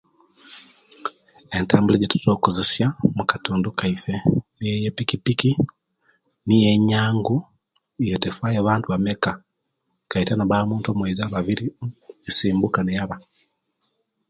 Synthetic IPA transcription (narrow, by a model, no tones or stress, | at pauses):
e̞ntaːmbuleɟetu̥toːkuzesjamukḁtuːndukaifenijejepikipiki | nijeɲaːŋɡu | ijotefwaːjaβaːntuβameka | kaitanaβaːmuːntomweizaːβaβiɾiesiːmbukanejaβa